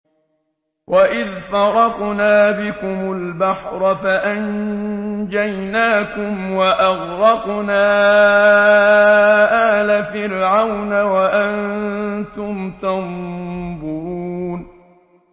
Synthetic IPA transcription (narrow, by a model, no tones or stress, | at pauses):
wʔaʔɪðfɑɾˤɑqnaːbɪkʊmʊlbaħɾˤɑfaʔan | d͡ʒajnaːkʊmwaʔɑɣɾɑqnaː | ʔaːlafɪlʕawnawaʔant̪ʊmt̪ambuːn